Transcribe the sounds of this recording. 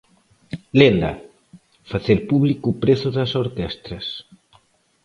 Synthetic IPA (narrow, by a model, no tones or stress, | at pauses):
lend̪a̰ | faθeɾpuβlikupɾeθuðɐsoɾkɛst̪ɾɐs